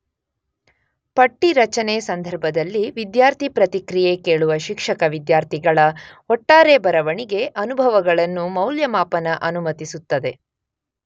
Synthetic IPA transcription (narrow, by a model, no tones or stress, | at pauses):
pɐʈːiɾɐt͡ʃɐnesɐnd̪ʱɐɾbʱɐd̪ɐlːiʋid̪jaːɾt̪ʰipɾɐt̪ikɾijekeːɭuʋɐʃikʂɐkɐʋid̪jaːɾt̪ʰiɡɐɭɐ | ɔʈːaːɾe̞bɐɾɐʋɐɳiɡe̞ʔɐnubʱɐʋɐɡɐɭɐnːumɐwljɐmaːpɐnɐʔɐnumɐt̪isut̪ːɐd̪e̞